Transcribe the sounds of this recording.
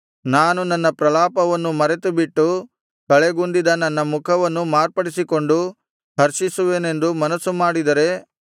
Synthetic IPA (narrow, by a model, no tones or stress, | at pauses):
naːnunɐnːɐpɾɐlaːpɐʋɐnːumɐɾet̪ubiʈːu | kɐɭeɡund̪id̪ɐnɐnːɐmukʰɐʋɐnːumaːɾpɐɽisiko̞ɳɖu | ɦɐɾʃisuʋe̞ːne̞nd̪umɐnɐsːumaːɽid̪ɐɾe̞